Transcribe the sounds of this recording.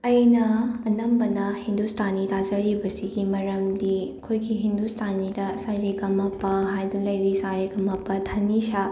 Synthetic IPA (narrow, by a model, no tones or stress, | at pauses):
ɐjnɐɐnɐmbɐnɐhind̪ustʰanitazɐɾibɐsiɡimɐɾɐmdikʰojkʰiɦind̪ustʰanidɐsaɾikɐmɐpːɐɦajdɐlɐjɾisaɾekɐmɐpːɐt̪ʰɐniʃa